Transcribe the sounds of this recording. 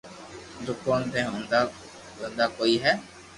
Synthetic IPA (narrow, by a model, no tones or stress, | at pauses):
d̪ʊkoːnt̪ẽːɦõnd̪a | ʋə̃nd̪aːkoːiːɦɛː